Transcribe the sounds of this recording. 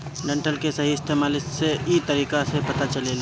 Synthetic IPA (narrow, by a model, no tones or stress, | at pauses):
ɖɐ̃ɳʈəlkesɐɦiɪst̪eːmaːlɪsseit̪əɾiːkasepɐt̪at͡ʃɐlela